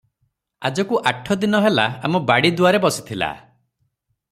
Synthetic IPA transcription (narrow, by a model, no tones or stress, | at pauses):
ad͡ʒɔkuʔaʈʰːɔd̪inɔɦelaamɔbaɽid̪uaɾebɔsi̥t̪ʰila̰